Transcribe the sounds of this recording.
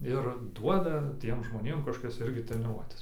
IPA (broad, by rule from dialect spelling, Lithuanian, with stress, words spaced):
ɪr ˈduɔdɐ ˈtʲiɛm ʒmoːˈnʲeːm kɐʃˈkoːkʲɛs ˈɪrʲɡʲɪ tʲrʲɛnʲɪˈruɔtʲɛs